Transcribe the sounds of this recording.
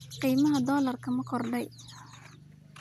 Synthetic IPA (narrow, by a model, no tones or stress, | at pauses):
qiːmɐɦɐd̪ɔːlɐrkʰɐmɐkʰɔrɖɛj